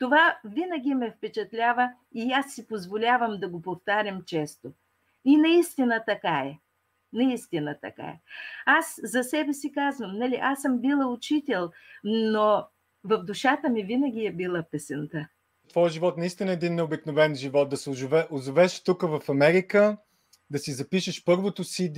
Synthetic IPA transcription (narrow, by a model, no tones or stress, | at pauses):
t̪ovavinəɡʲimɛfpɛt͡ʃɛt̪lʲavə | iasːipozvolʲavɐmd̪ɐɡopoft̪aɾʲəmt͡ʃɛst̪o | inɐist̪inət̪ɐkaɛ | nɐist̪inət̪ɐ̰ka̰ɛ̰aszɐsɛbɛsikazvəmnɐlʲiʔasəmbilˠəʊt͡ʃit̪ɛlˠno | vɐfd̪ʊʃat̪əmivinəɡʲiɛbilˠəpɛsɛnt̪a | t̪vɔjəʒivɔt̪nɐist̪inəɛd̪inːɛobiknovɛnʒivɔt̪̚d̪ɐsɛʊʒvɛʔʊzʊvɛʃt̪ukəvɐfɐmɛɾikə | d̪ɐsizɐpiʃəʃpɤɾvot̪ʊsi